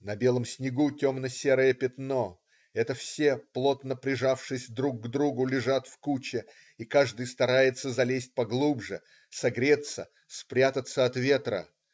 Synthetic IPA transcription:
nɐbʲe̞lˠəmsʲnʲɪɡutʲomnəsʲeɾəjəpʲɪt̪no̞ | ɛt̪əfsʲe̞plˠo̞t̪nəpɾʲɪʐafʂɨsʲd̪ɾuk̚ːd̪ɾuɡʊlʲɪʐat̪fkut͡ɕɪ | ikaʐd̪ɨjst̪ɐɾajɪt̪səzɐlʲesʲt̚ʲpɐɡlˠubʐɨ | sɐɡɾʲe̞t̪sə̰ | spɾʲat̪ət̪sːəɐt̪vʲe̞t̪ɾə̰

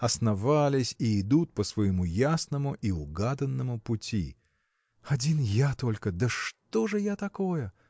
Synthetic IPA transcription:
ɐsnɐvalʲɪsʲiɪd̪ut̪̚pəsvəjɪmujasnəmʊʔiʊɡad̪ənːəmʊpʊtʲḭ | ɐdʲinjat̪olʲkəd̪əʂt̪oʐɨjat̪ɐko̞jə

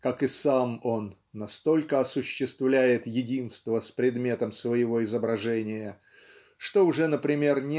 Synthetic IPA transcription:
kakɨsamo̞nːɐst̪o̞lʲkəɐsʊɕːɪst̪vlʲæjɪt̪jɪdʲinst̪vəspɾʲɪd̪mʲe̞t̪əmsvəjɪvo̞ɪzəbɾɐʐɛnʲɪjə | ʂt̪o̞ʊʐɛnəpɾʲɪmʲe̞rnʲ

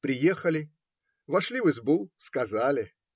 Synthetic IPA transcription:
pɾʲɪjexəlʲɪ | vɐʂlʲivɨzbulˠskɐzalʲɪ

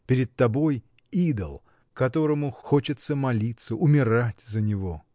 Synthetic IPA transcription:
pʲɪɾʲɪt̪̚t̪ːɐbo̞j | id̪ə̰lˠ | kɐt̪o̞ɾəmʊxo̞t͡ɕɪt̪səmɐlʲit̪səʔʊmʲɪɾatʲzənʲɪvo̞

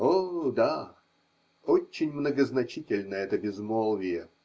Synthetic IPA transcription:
od̪a | ot͡ɕːɪnʲmnəɡəznɐt͡ɕitʲɪlʲnəɛt̪əbʲɪzmolˠvʲɪjə

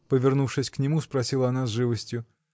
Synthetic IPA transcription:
pəvʲɪrnufʂɨsʲknʲɪmuspɾɐsʲilˠəɐnazʐɨvəsʲtʲjʊ

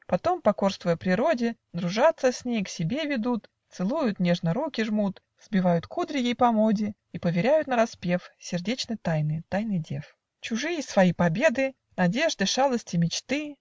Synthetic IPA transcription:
pɐt̪o̞mpɐko̞rst̪vʊjəpɾʲɪɾo̞dʲɪ | d̪ɾʊʐat̪səsʲnʲejksʲɪbʲe̞vʲɪd̪ut̪ | t̪sɨlˠujʊt̪nʲe̞ʐnəɾukʲɪʐmut̪ | z̥bʲɪvajʊt̪kud̪ɾʲɪjejpɐmodʲɪ | ipəvʲɪɾʲæjʊt̪nəɾɐspʲe̞fsʲɪrdʲet͡ɕnəjt̪ajnɨt̪ajnɨjdʲe̞f | t͡ɕʊʐɨjəsvɐjipɐbʲe̞d̪ɨ | nɐdʲe̞ʐd̪ɨʂalˠəsʲtʲɪmʲɪt͡ɕt̪ɨ

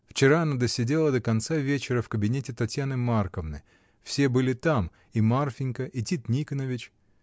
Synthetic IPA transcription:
ft͡ɕɪɾaɐnad̪əsʲɪdʲe̞lˠəd̪əkɐnt̪savʲet͡ɕɪɾəfkəbʲɪnʲetʲɪt̪ɐtʲjanɨmarkəvnə̰j | fsʲe̞bɨlʲɪt̪am | imarfʲɪnʲkəʔɪtʲit̪nʲikənəvʲɪt͡ɕ

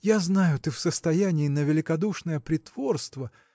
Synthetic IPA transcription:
jaznajʊt̪ɨfsəst̪ɐjænʲɪːnəvʲɪlʲɪkɐd̪uʂnəjəpɾʲɪt̪v̥o̞rst̪və

